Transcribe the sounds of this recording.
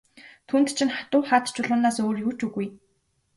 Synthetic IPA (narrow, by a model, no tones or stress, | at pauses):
t̪ʰuːnt̪t͡ɕʰɪ̆nχḁt̪ʊːχaːt̪t͡ɕʊɮʊːnaːsoːrjuːt͡ɕuɣuj